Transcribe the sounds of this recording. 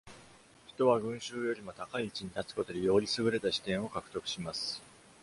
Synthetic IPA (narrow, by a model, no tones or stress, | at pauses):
çi̥t̪o̞βaɡɯ̟̃ɰ̃ɕɨːjo̞ɾʲimo̞t̪akaiːt͡ɕiɲ̟it̪at͡sɨ̥ko̞t̪o̞d̪e̞jo̞ːɾʲisɨɡɯ̟ɾe̞t̪aɕi̥t̪ẽɰ̃o̞kakɯ̟̥t̪o̞kɯ̥ɕimasɨ̥